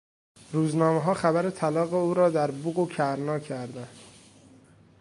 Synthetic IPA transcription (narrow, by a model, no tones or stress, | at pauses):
ɾuːznɒːmeɦɒːxæbæɾet̪ʰælɒːɣeuːɾɒːd̪æɾbuɣocʰæɾnɒːcʰæɾd̪ænd̪̥